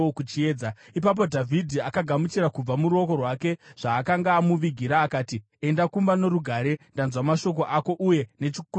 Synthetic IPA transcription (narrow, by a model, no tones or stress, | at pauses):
okut͡ʃieːd͡za | ip̬ap̬o̞dʱavʱidʱiakaɡʱamut͡ʃiɾakub͡vamuɾuo̞ko̞rwake̞ʐ̥aːkaŋɡaːmuʋiɡʱiɾaːkaːti | e̞ndakumbano̞ɾuɡʱaɾe̞ndanzwamaʃo̞k̬o̞ʔako̞ʔuje̞ne̞t͡ʃik